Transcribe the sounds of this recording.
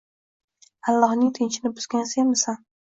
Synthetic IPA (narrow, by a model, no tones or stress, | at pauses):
ɑlˠːɒhnɪŋt̪ʰɪnt͡ʃʰɪnɪbʊzɡʲansemɪsan